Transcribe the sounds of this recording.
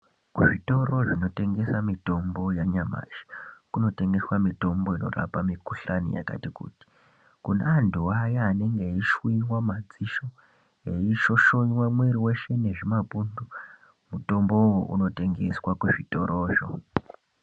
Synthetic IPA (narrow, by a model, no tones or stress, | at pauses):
kuʐito̞ro̞ʐino̞te̞ŋɡe̞samito̞mbo̞jaɲama̰ːʒi̥kuno̞te̞ŋɡe̞swamito̞mbo̞ino̞̰ra̰pamikuɬanḭja̰ka̰tikṵːti̥ | kuna̰anduwajaane̞ŋɡeiʃwiwamad͡ziʃo̞ | eiʃo̞ʃo̞ɲwamwe̞ɾiwe̞ʃe̞ne̞ʐimapundu | muto̞mbo̞woʔṵno̞te̞ŋɡe̞swakuʐito̞ɾʔoːʐo̰